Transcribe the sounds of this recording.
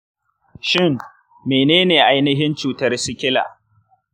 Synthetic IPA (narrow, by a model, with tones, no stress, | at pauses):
ʃɪ˦˨ŋ | meː˨neː˦neː˨ʔa˦jnɪ˦ɦɪ˦nt͡ʃuː˨tɐ˦rsʊ˦kʲɪ˦la̰ː˨